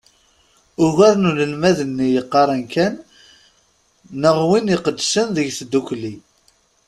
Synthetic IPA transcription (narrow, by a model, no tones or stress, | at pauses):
ʊɣæɾnuləlmæðənːijəqːɑɾˤænkæn | əʁwiniqəd̪ːsənðəʝθəd̪ːukʷli